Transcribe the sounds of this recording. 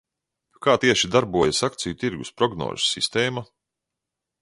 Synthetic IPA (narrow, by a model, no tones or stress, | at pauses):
kaːt̪iɛʃid̪aɾbuɔjasakt̪sijut̪iɾɡuspɾɔɡnɔ̰ːzssːist̪ɛːma